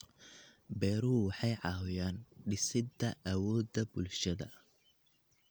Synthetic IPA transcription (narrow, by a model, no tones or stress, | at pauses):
bɛːɾuːwɑħɑjʕɑːwʊjaːnɖɪsɪd̪ɐʔɐwɔːd̪ɐbʊlʃɐðɐ̰